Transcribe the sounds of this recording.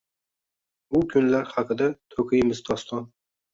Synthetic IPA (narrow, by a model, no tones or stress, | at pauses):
ʊkʲʰʊnlaɾhɑqɨd̪at̪ʰɵkʰɨjɪmɪzd̪ɒst̪ʰɒn